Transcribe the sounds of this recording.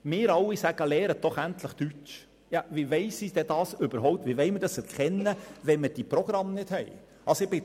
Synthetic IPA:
mɪːɾɑwisæɡ̥əlɛːɾəd̥ɔχænt̪ləχt̪yt͡ʃ | jɑvivɛɪsid̥ɛd̥ɑːsʏbəɾɦɔʊp̚t̪viʋɛɪməɾdɑsɛɾkχɛnːəʋɛnməd̥iprɔɡ̥ɾɑmnɪd̥hɛɪ | ʔɑsoɪbɪ

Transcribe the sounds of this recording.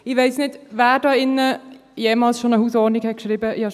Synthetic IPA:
ɪveɪsnɪtvaːɾdɑːɪnəjeːmɑːlsʃonəhuːsɔːnikhɛt̚kʃɾiːbəɪɑ

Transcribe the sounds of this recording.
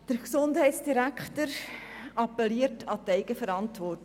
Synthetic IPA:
d̥əɾksʊndɦɛɪtsd̥iɾækχtəɾ | ɑpːɛliəɾtʰɑtɛɪɡəfəɾɑntʋɔrt

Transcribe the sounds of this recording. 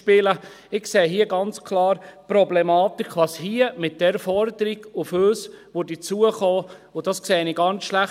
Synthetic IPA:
pɪlə | ɪkseːɦiəɡɑnt͡skʰlɑːɾpɾɔblɛmɑːtɪkʰʋɑshiəmɪt̚d̥ɛɾfɔɾdəɾiɡ̥ʊføːsʋʊdit͡suəχɔːʊd̥ɑskseːniɡɑnt͡ssʃlæχ

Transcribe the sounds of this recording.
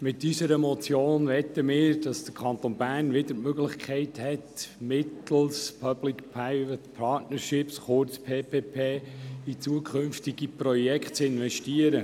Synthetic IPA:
mɪtːysəɾəmɔt͡sjoːnʋɛt̪ːəmɪːɾd̥ɑsd̪̥əkʰɑnt̪onbæːrnʋɪdəɾmøɡlɪχkʰɛɪthɛtmɪtl̩spʰœblɪkpʰaɪvət̪pʰɑtnəɾʃɪpsχʊɾt͡spʰeːpeːpʰeːit͡suəkʰɵnftiɡiprɔjɛkχtt͡sɪnʋɛʃtiəɾə

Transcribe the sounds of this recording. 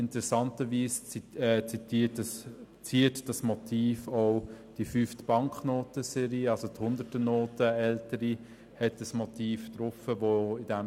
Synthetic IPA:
ɪntəɾɛsɑntəʋiːst͡sɛt͡sitit | t͡siːətd̥ɑsmɔtʰiːfɔʊd̥ifyftb̥ɑŋkχnoːtəsɛɾiːɑlsothʊnd̪ətənoːtəɛltəɾi | hɛtəsmɔtiːft̪ɾʊfəʋoɪdɛm

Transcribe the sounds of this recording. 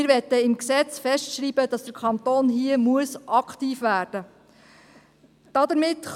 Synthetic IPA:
ɪɾʋɛt̪ːəɪmksɛt͡sfɛstʃɾiːbəd̥ɑsd̥əɾkʰɑnt̪oːnɦiəmuəsʔɑktiːfʋæːɾd̥ə | d̥ɑd̪əɾmɪtːχ

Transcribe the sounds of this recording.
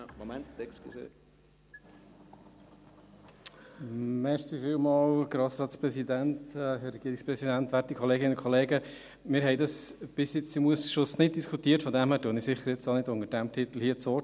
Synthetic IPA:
momɛnt̪tɛkskisḛː | mɛɾsifiːlmɑːlɡɾɑːsɾɑːtspɾɛsid̪æntɛɦɛɾːɛɡ̥iəɾikspɾɛsid̪ænt̪ʋætikʰɔleːɡɪnkʰɔleːɡə | mɪɾɦɛɪdɑsb̥ɪsjɪt͡simuəsʃʊsnɪt̚d̪iskʰutiːəɾtfɔd̪æmhæːɾtuənisɪχːəɾjɪt͡stonɪdʊŋəɾd̥æmt̪ʰɪt̪l̩hiːət͡so

